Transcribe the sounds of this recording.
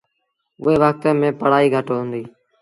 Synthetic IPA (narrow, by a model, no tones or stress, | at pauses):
ʊ̰ɦeːʋək̚t̪eːmẽːpəɽaːiːɡʱəʈoːɦʊ̃ːnd̪iː